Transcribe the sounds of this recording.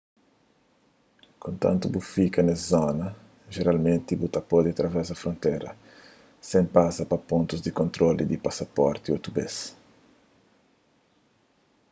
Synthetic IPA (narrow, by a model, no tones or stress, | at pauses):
kõnt̪ã̰nt̪ubufikɐneszɔnɐ | ʒeɾalmẽnt̪ibut̪ɐpɔd̪iat̪ɾɐvɛzɐfɾõnt̪ɛjɾɐ̰ | sẽmpasɐpɐpõnt̪uzd̪ikõnt̪ɾolḭd̪ipasɐpɔɾt̪iot̪ubes